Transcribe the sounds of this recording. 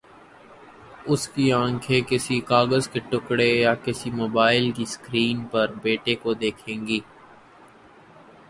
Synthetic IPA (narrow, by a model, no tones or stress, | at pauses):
ʊskiãːŋkʰekɪsikaːɡəzkeʈʊkɽejakɪsimoːbaːɪlkiskɾiːnpɐɾbeːʈekod̪eːkʰẽːŋɡiː